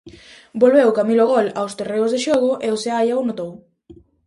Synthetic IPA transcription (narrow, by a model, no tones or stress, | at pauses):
bolβewkamiloɣ̞olawst̪ereʊzðeʃoɣoʔeoseajaonot̪ow